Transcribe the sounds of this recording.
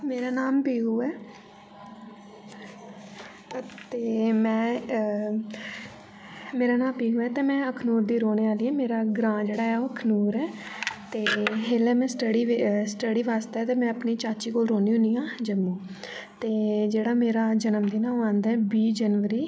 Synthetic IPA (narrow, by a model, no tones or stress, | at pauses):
meːɾaːnaːmpiːɦuːɛː | t̪eːmɛ̃ː | meːɾaːnaːmpiːɦuːɛːt̪eːmɛ̃ːəkʰnuːɾd̪iːɾoːneaːliːɛːmeːɾaːɡɾãːd͡ʒeːɽaːɦɛːoːəkʰnuːɾɛːt̪eːɦeːlɛːmɛ̃ːsʈəɽiːsʈəɽiːʋaːst̪eɛːt̪eːmɛ̃ːəpniːt͡ʃaːt͡ʃiːkoːlɾoːniːʊniːãːd͡ʒəmːũː | t̪eːd͡ʒeːɽaːmeːɾaːd͡ʒənəmd̪iːnãːmãːnd̪ɛːbiːd͡ʒənʋəɾiː